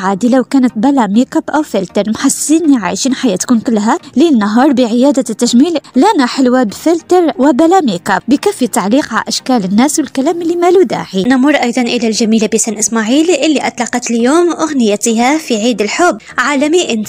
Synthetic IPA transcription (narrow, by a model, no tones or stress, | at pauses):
ʕad̪ilæwkæːnət̪bælæmikabʔæwfɪlt̪əɾˤmħasiniʕa̰ʃiːnħajæːt̪kuːnkʊlːɦælinːɑɦɑːɾˤbəʕəjæːd̪at̪ːæʒmiːllænaħəlwabfɪlt̪əɾˤwbælæmikabbəkæfit̪ːaʕliːqʕa̰ʔæʃkæːlənːæːswəlkælæːmɪlːimælud̪a̰ːħinamʊɾˤʔɑjd̪ˤɑnʔəlælʒæmiːlabisæːnʔəsmaʕiːlʔɪlːiʔɑt̪ˤlɑqɑt̪əljoːmʔʊɣnəjæt̪hafiʕiːd̪əlħʊbːʕaːlæmiʔən